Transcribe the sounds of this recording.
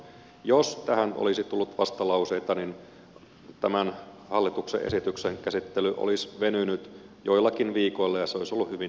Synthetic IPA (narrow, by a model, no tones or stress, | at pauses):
jost̪æhænʔo̰lisit̪ulːut̪ʋɑst̪ɑlɑuseit̪ɑnin | t̪æmænhɑlːit̪ukseʔesit̪ykseŋkæsit̪ːelyʔo̰lisʋenynyt̪joilːɑkinʋiːkoilːɑjɑseoisolːuhyʋi